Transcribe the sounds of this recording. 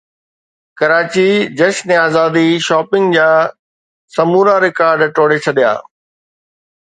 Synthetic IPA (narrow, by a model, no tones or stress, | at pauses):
kɐɾaːt͡ɕid͡ʑɐʃnẽaːzaːd̪iʃɔːpɪ̃ŋɡd͡ʑaː | sɐmuːɾaɾɪkaːɾɖʈoːɽet͡ɕʰɐɗija̰ː